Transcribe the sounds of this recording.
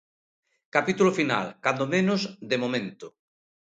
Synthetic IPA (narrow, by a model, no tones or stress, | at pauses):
kapit̪ulʊfina̰lkand̪omẽnʊzd̪emomẽnt̪ʊ